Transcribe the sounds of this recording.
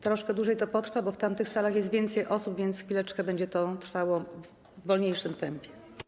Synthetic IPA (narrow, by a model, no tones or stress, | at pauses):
t̪ɾɔʂkɛd̪wuʐɛjt̪ɔpɔt̪ɾfabɔft̪amt̪ɘxsalaxjɛst̪vʲjɛnt̪sɛjʔɔsubvʲjɛnt̪sxfʲilɛt͡ʂkɛbɛɲd͡ʑɛt̪ɔt̪ɾfawɔvː | ɔlɲejʂɘmt̪ɛmpʲjɛ